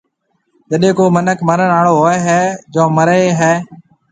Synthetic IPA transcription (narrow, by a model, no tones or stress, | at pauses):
d͡ʒəɗẽːkoːmənəkʰməɾənaːɽoːɦoːeɦɛːd͡ʒõːməɾeːɦɛː